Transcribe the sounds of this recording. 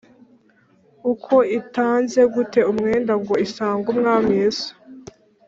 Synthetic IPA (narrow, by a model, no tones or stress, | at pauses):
ukʰo̞itaːnze̞ɡute̞umŋe̞ːndaŋɡo̞isaːŋɡumŋaːmeːso̥